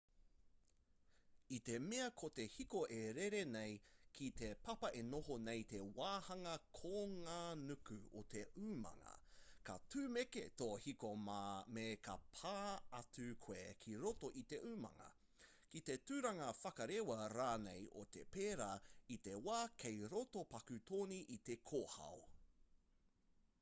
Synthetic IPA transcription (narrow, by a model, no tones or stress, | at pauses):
it̪e̞meɐkʰot̪e̞hikoʔeɾeɾenejkʰit̪epɐpɐʔenoɦonejt̪ewaːhɐŋɐkʰoŋaːnʉkʉo̰t̪ʰeʔʉːmɐ̰ŋɐ̰kɐ̰tʉːmeket̪oːhikomamekɐpʰaːɐtʰʉkʰweːkʰiɾotoʔit̪eʔʉːmɐ̰ŋɐ̰ | kit̪etʉːɾɐŋɐfɐkɐɾewɐɾaːnejʔo̰t̪epeːɾait̪ewaːkʰejɾotopɐkʉt̪ʰoːniʔit̪ekʰoːhɐ̰w